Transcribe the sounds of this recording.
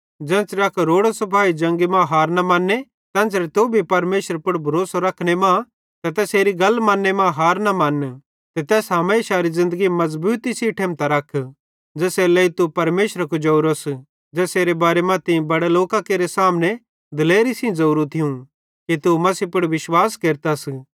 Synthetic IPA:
d͡ʒɛ̃ːsɾɐkʰɾoːɽasɐpʰaːid͡ʒɐ̃ŋɡimãɦaːɾnɐmanːe | t̪ɛ̃ːsɾet̪obʱipɐɾmeːʃəɾpʊɽbʱɐɾoːsaɾɐkʰnemã | t̪ɐt̪ɛːseːɾiɡɐlmãːnːemãɦaːɾnamɐn | t̪ɛt̪ɛːsɦameʃaːɾizɪ̃nd̪əɡimɐzbuːt̪isiʈʰẽːmt̪aɾɐkʰ | d͡ʒɛːsɛːlɐit̪upɐɾmeːʃɾakud͡ʒɐɾos | d͡ʒɛːseːɾebaːɾemɐ̃t̪ĩbɐɽeloːkãkeːɾesaːmne | d̪ɪleːɾisĩd͡zɐuɾũt̪ʰiũ | kit̪umɐsipʊɽʋɪʃwaːskeːɾt̪as

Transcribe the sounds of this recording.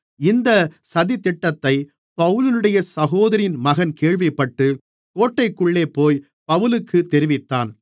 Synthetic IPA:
ɪnd̪ɐsɐðɪt̪ːɪʈːɐt̪ːɐɪ | pɐʋɯlɪnɯɽɐjɐsɐɣoːðɐɾɪnmɐɣɐnkeːɻʋɪpːɐʈːɯ | poːʈːɐɪkːɯɭːeːpoːj | pɐʋɯlɯkʰːɯt̪ːɛɾɪʋɪt̪ːaːn

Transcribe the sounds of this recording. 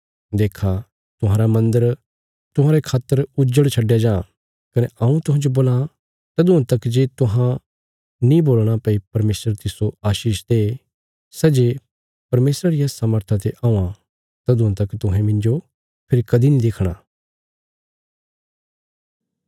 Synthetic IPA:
d̪eːkʰa | t̪ʊɦãːɾamɐ̃nd̪əɾ | t̪ʊɦãːɾekʰaːt̪ːəɾʊd͡ʒəɽt͡ʃʰɐɖjad͡ʒãː | kɐnɛɐ̃ũt̪ʊɦãːd͡ʒoboːlã | t̪ɐd̪ũãt̪ɐkːd͡ʒeːt̪ʊɦã | nĩboːlɽ̃apːipɐɾmeːsɾəɾt̪ɪsoaːʃiːʃt̪e | sɛd͡ʒe | pɐɾmeːsɾaɾijasaməɾt̪ʰat̪eʔaːũã | t̪ɐd̪uʊãt̪ɐkt̪ʊɦɛ̃mɪ̃nd͡ʒo | pʰɪɾikɐd̪inĩd̪ekʰɽ̃aː

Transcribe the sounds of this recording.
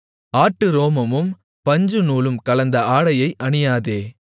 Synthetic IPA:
aːʈːɯɾoːmɐmɯm | pɐɲd͡ʒɯnuːlɯmkɐlɐnd̪ɐaːɽɐjɐɪʔɐɳɪjaːðeː

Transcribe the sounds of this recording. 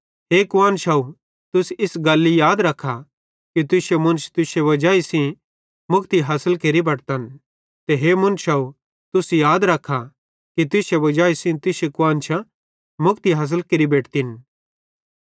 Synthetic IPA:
ɦeːkʊãːnʃaːu | t̪ʊsɪsɡɐlːijaːd̪ɾɐkʰːa | kit̪̬ʊʃemʊ̃nst̪ʊʃeʋɐd͡ʒaːisĩ | mʊkt̪iɦaːsəlkeɾibɐʈt̪ɐn | t̪eɦeːmʊ̃nʃaːu | t̪ʊsjaːd̪ɾɐkʰːa | kit̪ʊʃeʋɐd͡ʒaːisĩt̪ʊsekʊaːnt͡ʃʰã | mʊkt̪iɦɐːs̬əlkeːɾibeːʈʰt̪in

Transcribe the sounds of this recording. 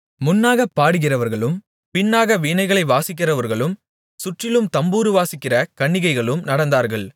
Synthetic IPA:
mʊnːaːɣɐpːaːɽɯɣɪrɐʋɐɾɣɐɭɯm | pɪnːaːɣɐʋiːnɐɪɣɐɭɐɪʋaːsɪk̬ːɪrɐʋɐɾɣɐɭɯm | sʊʈrɪlɯmt̪ɐmbuːɾɯʋaːsɪkːɪrɐkɐɳːɪɣɐɪɣɐɭɯmnɐɽɐnd̪aːɾɣɐɭ

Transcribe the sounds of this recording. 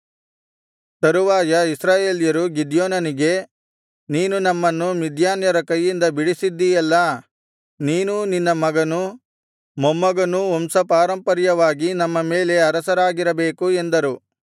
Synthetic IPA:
t̪ɐɾuʋaːjɐisɾaːjeːljɐɾuɡid̪joːnɐniɡe̞ | niːnunɐmːɐnːumid̪jaːnjɐɾɐkɐjːind̪ɐbiɽisid̪ːijɐlːɐ | niːnuninːɐmɐɡɐnu | mɔmːɐɡɐnuɔmsɐpaːɾɐmpɐɾjɐʋaːɡinɐmːɐme̞ːle̞ɐɾɐsɐɾaːɡiɾɐbe̞ːkue̞nd̪ɐɾu

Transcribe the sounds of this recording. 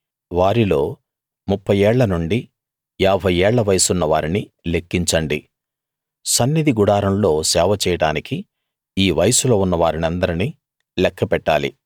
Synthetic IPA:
ʋaːɾilo̞ː | mupːɐjɛːɭːɐnuɳɖi | jaːbʱɐjɛːɭːɐʋɐjɐsunːɐʋaːɾinile̞kːiɲt͡ʃɐɳɖi | sɐnːid̪iɡuɽaːɾɐnlo̞ːsɛːʋɐt͡ʃɛːjɐɽaːniki | iːʋɐjɐsulo̞ːunːɐʋaːɾinɐnd̪ɐɾini | lɛkʰːɐpɛʈːaːlḭ

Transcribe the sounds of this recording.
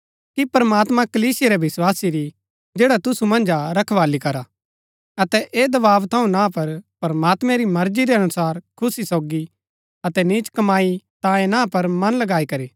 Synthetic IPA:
kipɐɾmaːt̪mãkɐliːsɪjeɾɛʋɪswaːsiɾi | d͡ʒeːɽat̪ʊsumɐ̃nd͡ʒaɾɐkʰʋaːlikɐɾa | ɐt̪ɛʔeːd̪ɐbaːʋt̪ʰɐũnãːpɐɾpɐɾmaːt̪mɛ̃ɾimɐɾd͡ʒiɾɛɐnʊsaːɾkʰʊsisoːɡi | ɐt̪ɛniːt͡ʃkɐmaːit̪ãːẽnãːpɐɾmɐnlɐɡaːikɐɾiː

